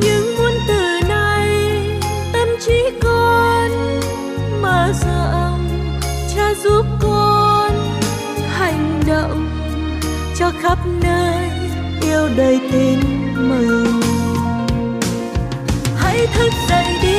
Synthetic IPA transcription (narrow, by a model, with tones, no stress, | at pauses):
ɲɨ̰˧˥ŋmu˧ənt̪ɨ˨˩na˧j | t̪ə˧mt͡ɕi˧˥kɔ˧n | məː˨˩zə˧˨˧w | t͡ɕaː˧zu˦˥p̚kɔ˧n | ha˨˩jŋ̟ɗɔ̰˧˨ŋ͡m | t͡ɕɔ˧˩ɣa˦˥p̚nəː˧j | ʔi˧əwɗəː˨˩jt̪ï˨˧˩ŋ | mə˨˩ŋ | ha̰˧˥jt̪ʰɨ˦˥k̚za˨˧˨jŋɗi˧˦